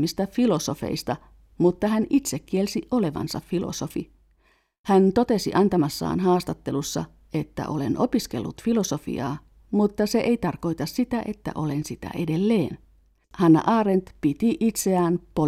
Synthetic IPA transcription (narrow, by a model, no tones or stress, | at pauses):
mːist̪æfilo̞so̞fe̞̰ist̪ɑ | mut̪ːɑɦænit̪sekːielsiʔole̞ʋɑ̰nsɑ̰ffilo̰sofḭ | hænt̪o̞t̪e̞sḭʔɑnt̪ɑmɑsːɑ̰ːnɦɑːst̪ɑt̪ːe̞lusːɑ̰ | e̞t̪ːæ̰ʔo̞̰le̞̰nʔopiskelːṵt̪filo̞so̞fḭɑ̰ː | mut̪ːɑseʔejt̪ɑrko̞jt̪ɑssit̪æʔe̞̰t̪ːæ̰ʔo̞lensit̪æ̰ʔedelːe̞ːn | hɑnːɑ̰ʔɑːɾent̪pit̪iʔit̪seæːnpo